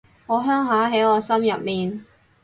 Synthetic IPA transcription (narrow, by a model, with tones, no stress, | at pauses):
ŋɔː˨˧ɦœː˥ŋɦaː˨˥ɦe˨˥jɔː˨˧sɐ˥mjɐ˨p̚miː˨n